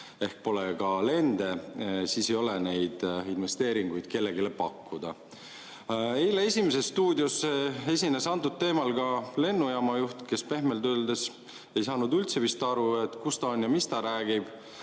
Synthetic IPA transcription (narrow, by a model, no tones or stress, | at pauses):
e̞hk̚po̞lekɑle̞nd̪̥e̞siːse̞jo̞lene̞jd̪̥inve̞st̪e̞ːɾiŋɡ̥ujd̪̥ke̞lːe̞ɡile̞pɑkːud̪̥ɑ | e̞jlee̞sʲimese̞sːt̪uːd̪josee̞sʲine̞sɑnt̪ud̪̚t̪ːe̞ːmɑlɡɑle̞nːujɑmɑjuht̪ke̞spe̞ɦme̞lt̪øld̪es | e̞jsɑːnud̪ylt̪se̞vist̪ɑɾue̞t̪ˑkust̪ɑonjɑmist̪ɑɾæːɡ̥ib̥